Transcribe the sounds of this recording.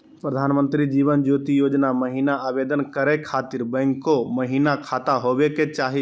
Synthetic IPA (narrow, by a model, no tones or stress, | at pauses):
pɾəd̪ʱaːnmə̃nt̪ɾid͡ʒiːʋənd͡ʒoːt̪ijoːd͡ʒnaməɦinaaːbeːd̪ənkəɾekʰaːt̪iɾbə̃ŋkːoməɦiːnakʰaːt̪aɦobeket͡ʃaːɦi